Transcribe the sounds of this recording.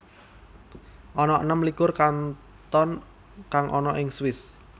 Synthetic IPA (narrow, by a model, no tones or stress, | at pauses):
ʔɔnɔʔənəmlikʊrkan | t̪ɔn | kaŋʔɔnɔʔɪŋswɪs